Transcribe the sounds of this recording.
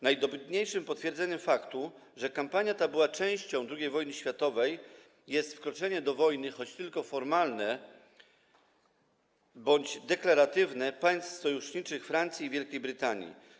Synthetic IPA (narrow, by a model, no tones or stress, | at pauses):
najd̪ɔbɘt̪ɲejʂɘmpɔt̪fʲjɛɾd̪zɛɲɛfakt̪u | ʐɛkampaɲjat̪abɘwat͡ʂɛ̃w̃ɕt͡ɕɔ̃w̃d̪ɾuɡʲejvɔjnɘɕfʲjat̪ɔvɛj | jɛst̪fkɾɔt͡ʂɛɲɛd̪ɔvɔjnɘxɔt͡ɕt̪ɘlkɔfɔɾmalnɛ | bɔɲd͡ʑd̪ɛklaɾat̪ɘvnɛpaj̃st̪sɔjuʂɲit͡ʂɘxfɾant̪sʲiːvʲjɛlkʲejbɾɘt̪aɲḭ